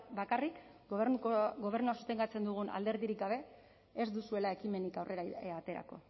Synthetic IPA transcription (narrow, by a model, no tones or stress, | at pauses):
bakarikouɡo̞β̞e̞ɾnuasu̥t̪e̞ŋɡat͡se̞nd̪uɣ̞una̰ld̪e̞ɾðiɾikɡaβ̞e̞ | ezd̪usue̞lae̞kime̞nikawrʔe̞ɾaat̪e̞ɾa̰ko̞